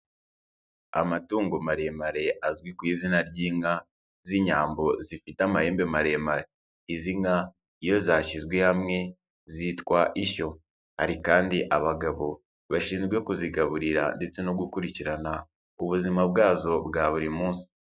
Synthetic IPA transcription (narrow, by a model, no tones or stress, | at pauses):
a̰matuːŋɡomaɾe̞maɾe̞ʔazwikwiːzinaɾɟiːŋa | ziɲaːmbo̞zifitamahe̞ːmbe̞maɾe̞maɾe | iziŋa | ijo̞zaːʃizɡwe̞hamŋe̞ | zitkwaʔiço̞ | ha̰ɾikaːndiʔaβaɡaβo̞ | βaʃiːnzɡwe̞kuziɡaβuɾiɾa̰nde̞t͡se̞noɡukuɾiciɾana | uβuzimab̚ɡaːzo̞bɡaːβuɾimuːnsi̥